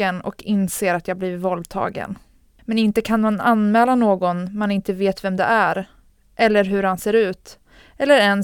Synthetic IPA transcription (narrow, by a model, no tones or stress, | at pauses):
ənɔ̰kɪnseːɾat̪jɑːɡbliːvɔld̪̚t̪ʰɑ̰ːɡə̰n | mɛnɪnt̪əkʰanmananmɛːlanoːɡɔnmanɪnt̪əveːt̪vɛmd̪ɛ̰ʔæɾ | ʔɛlːəɾɦɵɾhanseːɾʉ̟ːt̪ | ɛlːəɾɛn